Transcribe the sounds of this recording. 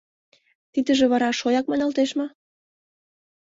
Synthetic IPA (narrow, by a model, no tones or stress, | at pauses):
t̪id̪ə̆ʒĕβɑɾɑʃojɑk̚mɑnɑlt̪eʃmɤ̆